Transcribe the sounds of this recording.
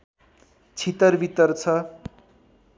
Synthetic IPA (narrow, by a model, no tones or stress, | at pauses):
t͡sʰit̪ʌrbit̪ʌrt͡sʰʌ